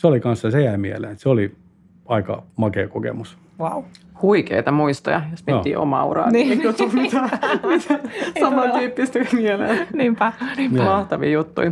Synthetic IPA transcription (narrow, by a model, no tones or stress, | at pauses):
seolikɑnssɑsejæimielḛːnt̪seoli | ɑikɑ̰mɑkekokḛmus | wawhuikḛit̪ɑmuist̪ɑjɑjosmiet̪ːḭːʔo̰mɑ̰ːṵrɑ̰ˑekjot̪ːumit̪æmit̪ʰæsɑmɑnt̪yːpːist̪ekmielḛlniːmpænːmɑht̪ɑʋḭːjut̪ːṵi